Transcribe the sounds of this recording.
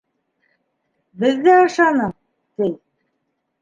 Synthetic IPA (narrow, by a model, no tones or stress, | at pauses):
bɘ̆ðːæɑʃɑnɤ | t̪ij